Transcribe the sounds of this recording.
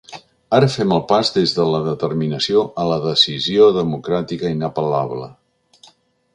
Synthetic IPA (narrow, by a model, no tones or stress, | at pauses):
aɾəfɛməlˠpazðezðələðət̪ərminəsioʔələðəsizioðəmukɾat̪ikəinəpəlaβlə̰